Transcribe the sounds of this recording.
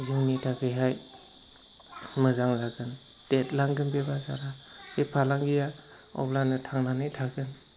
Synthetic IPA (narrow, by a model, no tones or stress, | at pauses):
ziŋnitʰakʰɯjɦaj | mɯzaŋzaɡɯn | tet̚laŋɡɯnbebazaɾahepʰalaŋɡija | ɔ̰blanɯtʰaŋnanɯjtʰaɡɯn